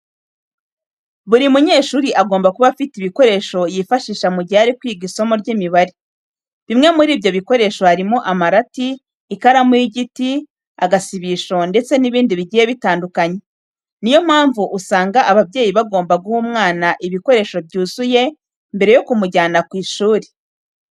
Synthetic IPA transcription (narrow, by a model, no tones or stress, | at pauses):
βuɾimuɲe̞ːʃuːɾiʔaɡoːmbakuβafitiβiko̞ɾe̞ːʃo̞jifaʃiːʃamuɟiaɾikwiːɡisomoɾɟimiβaɾi | βimŋe̞muɾiːbjo̞βiko̞ɾe̞ːʃo̞haɾimoʔamaɾatiː | kaɾamuiɟiti | aɡasiβiʃo̞nde̞t͡se̞niβiːndiβiɟijeβitaːndukaɲe̞ | nijo̞m̥haːɱvuʔusaːŋɡaʔaβabɟe̞ːjiβaɡo̞ːmbaɡuhuːmŋaːnaʔiβiko̞ɾe̞ːʃo̞bjuːzuje̞ | mbe̞ɾe̞jo̞kumuɟaːnakwiːʃuːɾi